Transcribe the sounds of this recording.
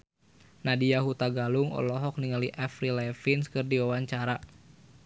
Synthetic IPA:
nadijaɦut̪aɡalʊŋɔ̰lɔɦɔk̚niŋaliʔafɾilɛfinskɨrdiwawaɲt͡ʃaɾa

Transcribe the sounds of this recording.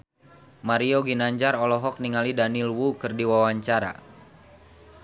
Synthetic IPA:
maɾioɡinaɲd͡ʒaɾɔlɔɦɔk̚niŋalidanilwukɨrdiwawaɲt͡ʃaɾa̰

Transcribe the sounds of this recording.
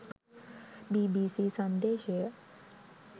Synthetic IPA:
bibisisənd̪eʃe

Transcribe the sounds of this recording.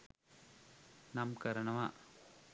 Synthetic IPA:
nɐmkɐɾɐɳɐʋaː

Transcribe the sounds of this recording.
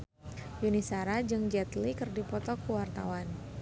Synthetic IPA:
junisaɾad͡ʒɨŋd͡ʒɛt̪likɨrdipɔt̪ɔkuwart̪a̰wan

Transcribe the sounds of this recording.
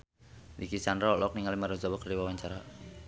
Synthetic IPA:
dikisandɾalɔk̚niŋalimaɾɔzabakərdiwawaɲt͡ʃaɾa

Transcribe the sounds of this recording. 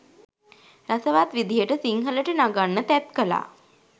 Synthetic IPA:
ɾasəʋat̪ʋid̪ijəʈəsiŋɦələʈənaɡanːət̪ɛt̪kəla̰ː

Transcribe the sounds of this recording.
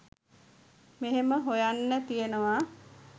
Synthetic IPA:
meɦeməɦojanːət̪ijenəʋa

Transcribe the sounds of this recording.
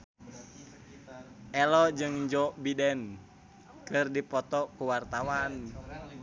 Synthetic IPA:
ʔɛlɔd͡ʒɨŋd͡ʒɔbidɛn | kɨrdipɔt̪ɔkuwart̪awan

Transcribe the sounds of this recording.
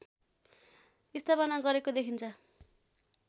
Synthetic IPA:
ist̪ʰapʌnaɡʌɾekod̪ekʰint͡sʰʌ

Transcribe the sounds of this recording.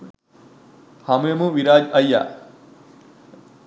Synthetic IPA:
hɐmujɐmuʋiɾaːd͡ʒɐjːa̰

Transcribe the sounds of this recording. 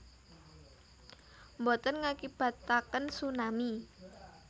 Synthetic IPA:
mbot̪ənŋakib̥a̤t̪ːakənsunami

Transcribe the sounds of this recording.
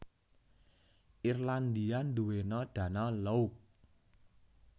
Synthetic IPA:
ʔirland̪iand̪uwenɔd̪̥ä̤nɔlɔuk̚

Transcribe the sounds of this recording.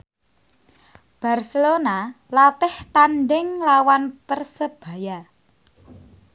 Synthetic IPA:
b̥a̤rsəlona | lat̪ɪht̪anɖɪŋlawanpərsəb̥ä̤ja

